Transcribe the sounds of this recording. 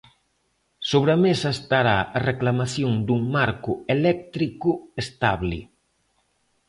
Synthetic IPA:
soβɾamesaest̪aɾaɐreklamaθjoŋd̪uŋmaɾkʊelɛk̚t̪ɾikʊest̪aβlḭ

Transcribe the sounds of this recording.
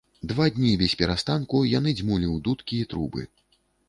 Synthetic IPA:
d̪vad̪ʲnʲivʲɛsʲpʲɛɾast̪ankujan̪ɨd͡zʲmulʲiwd̪ut̪kʲiɛt̪ɾubɨ̰

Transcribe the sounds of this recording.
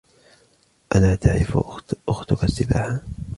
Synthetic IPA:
ʔalaːt̪ʰaʕɾɪfʔʊxt̪ʊkasːɪbaːħa

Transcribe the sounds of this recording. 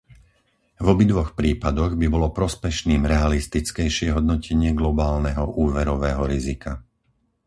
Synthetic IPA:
vɔbid̪ʋɔxpɾiːpad̪ɔɣbibɔlɔpɾɔspɛʃniːmɾɛalist̪it͡skɛjʃɪɛɦɔd̪nɔcʰɛɲɪɛɡlɔbaːlnɛɦɔʔuːʋɛɾɔʋɛːɦɔɾizika

